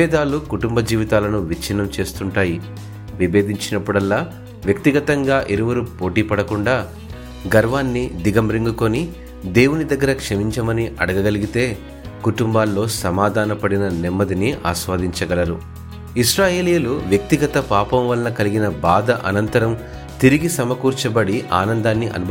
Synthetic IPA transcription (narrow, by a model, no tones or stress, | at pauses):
ɛːd̪aːlukuʈumbɐd͡ʒiːʋit̪aːlɐnuʋit͡ʃinɐmt͡ʃe̞ːst̪uɳʈaːji | ʋibe̞ːd̪ʱiɲt͡ʃinɐpːuɽɐlːaː | ʋjɐk̚t̪iɡɐt̪ɐŋɡaːʔiɾuʋɐɾupo̞ːʈiːpɐɽɐkuɳɖaː | ɡɐɾʋaːnːid̪iɡɐmɾiŋɡuko̞ni | d̪e̞ːwunid̪ɐɡːɐɾɐkʂɐmiɲt͡ʃɐmɐniʔɐɽɐɡɐɡɐliɡit̪e̞ː | kuʈumbaːlːo̞ːsɐmaːd̪ʱaːnɐpɐɽinɐnɛmːɐd̪iniʔa̰ːsʋaːd̪iɲt͡ʃɐɡɐlɐɾu | iʃɾaːje̞ːlijuluʋjɐk̚t̪iɡɐt̪ɐpaːpɐmʋɐlɐnɐkɐliɡinɐbaːd̪ɐʔɐnɐnt̪ɐɾɐm | t̪iɾiɡisɐmɐkuːɾt͡ʃɐbɐɽiʔa̰ːnɐnd̪aːnːiʔɐ̰nubʱ